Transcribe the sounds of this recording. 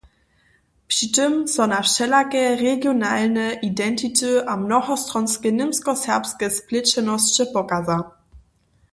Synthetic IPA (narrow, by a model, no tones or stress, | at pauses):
pʃitəmsɔnafʃɛlakəʁeɡjonaːlnəʔidɛntʰitəʔamnɔxɔstʁɔnskənɪmskɔsɛɐpskəsplɪt͡ɕənɔsɕəpɔkaza